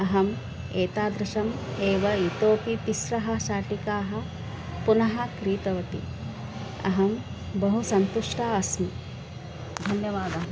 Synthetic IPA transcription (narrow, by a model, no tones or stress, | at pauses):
ɐɦɐm | eːt̪aːd̪ɾɪʃɐmeːʋɐit̪oːpit̪isɾɐɦɐ̆ʃaːʈikaːɦɐ̆ | punɐɦɐkɾiːt̪ɐʋɐʈḭ | ɐ̰ɦɐm | bɐɦusɐnt̪uʂʈʰaɐsmi | d̪ʱɐnjɐʋaːd̪ɐ